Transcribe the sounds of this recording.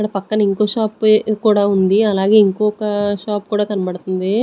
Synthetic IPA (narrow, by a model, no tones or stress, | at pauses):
kɐɽɐpɐkːɐnɐiŋko̞ːʃaːpkuːɽaːund̪iɐlaːɡe̞ːiŋkɔːkɐʃaːp̚kuːɽaːkɐnɐbɐɽt̪und̪i